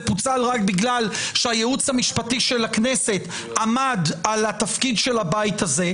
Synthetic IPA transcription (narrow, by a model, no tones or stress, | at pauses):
put͡salʁakbiɡlalʃehajeut͡shamiʃpat̪iʃelaknese̞t̪ | amad̪alat̪afkid̪ʃe̞labajt̪aze̞